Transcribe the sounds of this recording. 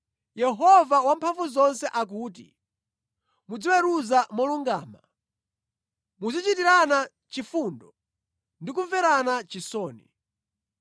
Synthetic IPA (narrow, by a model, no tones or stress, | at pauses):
jɛɦɔvawampʰaɱvuzɔnsɛʔak̬uːt̬ḭ | mud͡ziwɛɾuzamɔluŋɡa̰ːma | muzit͡ʃitiɾana | t͡ʃifuːndɔ | ndik̬uɱvɛɾanat͡ʃisɔːni